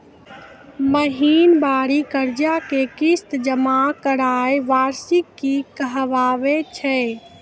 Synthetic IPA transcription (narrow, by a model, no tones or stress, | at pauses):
məɦinbaɾikəɾd͡ʒakekist̪d͡ʒəmakəɾajʋaɾsikːikəɦʋaʋet͡ʃʰɛ